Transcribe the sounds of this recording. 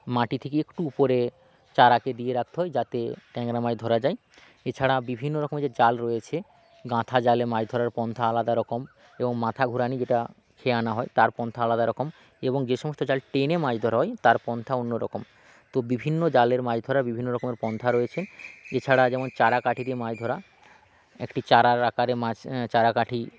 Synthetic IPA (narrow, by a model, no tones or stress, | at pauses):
maʈit̪ʰekeekʈuupoɾe | t͡ɕaɾaked̪ieɾak̚t̪eɦɔed͡ʑat̪eʈɛŋɾamajd̪ʱɔɾad͡ʑae | et͡ɕʰaɽabibʱinːoɾɔkomed͡ʑed͡ʑalɾɔjet͡ɕʰe | ɡãt̪ʰad͡ʑalemad͡ʑd̪ʱɔɾaɾpɔnt̪ʰaalad̪aɾɔkom | eboŋmãt̪ʰaɡʱuɾanid͡ʑeʈa | kʰeanaɦɔet̪aɾpɔnt̪ʰaalad̪aɾɔkom | eboŋd͡ʑeʃɔmost̪od͡ʑalʈenemad͡ʑd̪ʱɔɾaɦɔet̪aɾpɔnt̪ʰaonːoɾɔ̰kom | t̪obibʱinːod͡ʑaleɾmajd̪ʱɔɾabibʱinːoɾɔkomeɾpɔnt̪ʰaɾojet͡ɕʰenet͡ɕʰaɽad͡ʑɛmont͡ɕaɾakaʈʰid̪emad͡ʑd̪ʱɔɾa | ḛkʈit͡ɕaɾaɾakaɾemat͡ɕaɾakaʈʰi